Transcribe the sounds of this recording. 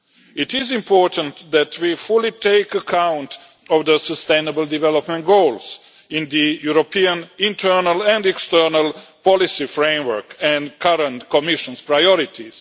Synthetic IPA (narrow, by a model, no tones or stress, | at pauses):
itɪzĩmpɔɹt̪ə̃nt̪d̪æt̪ʰwifulitʰeɪkəkʰãw̃nt̪ | ɔvd̪əsəst̪ẽjnəbəld̪ivɛlopmɛ̃nt̚ɡoʊls | ĩnd̪ijuɾopiãnĩntʰə˞nalɛ̃ndɛkst̪ɜ˞nalpɔlisifɾẽjmwə˞kɛ̃ndkʰaɾə̃ntkɔmiʃə̃nspɾajɔɾit̪ʰiz̥